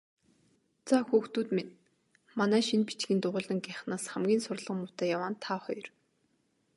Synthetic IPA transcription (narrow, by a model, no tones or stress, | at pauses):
t͡saxuːxt̪uːt̪men | manæːʃinpit͡ɕɡiːnt̪ʊʁʊːɮə̆ŋɡæχnaːsχæmɡʲiːnsʊrɮə̆χmʊt̪æːjawaːnt̪ʰaχɔjr